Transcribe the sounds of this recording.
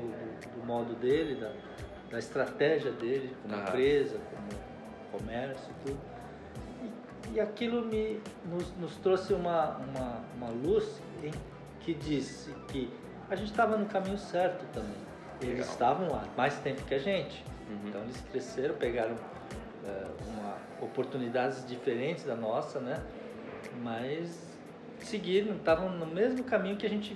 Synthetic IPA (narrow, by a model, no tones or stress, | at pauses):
ʊd̪ʊ | d̪ʊmɔd̪ʊd̪elɪd̪ɐ | d̪ɐɪst̪ɾat̪ɛʒiɐd̪elɪkõmɐẽpɾezɐkõmʊ | komɛɾsjʊt̪ud̪ʊ | ɪː | akilʊmɪnʊznʊst̪ɾosɪũmɐũmɐũmɐlus | ẽj̃ | kɪd͡ʒisɪkɪ | aʒẽnt͡ʃɪ̥t̪avɐnʊkamĩɲʊsɛɾt̪ʊt̪ɐ̃mbḛ̃j̃ | elɪzst̪avɐ̃w̃la̰majst̪ẽmpʊ̥kɪaʒẽnt͡ʃɪ̥̃ | tt̪ɐ̃w̃ɪsk̪ɾeseɾɐ̃w̃peɡaɾɐ̃w̃ | ɛ̰ṵ̃mɐ̰ | opoɾt̪unid̪ad͡ʒɪzd͡ʒifeɾẽnt͡ʃɪzd̪ɐnɔsɐnɛ | mɐs | sɪɡiɾɐ̃t̪avɐ̃w̃nʊmezmʊkamĩɲʊkɪɐʒẽt͡ʃɪ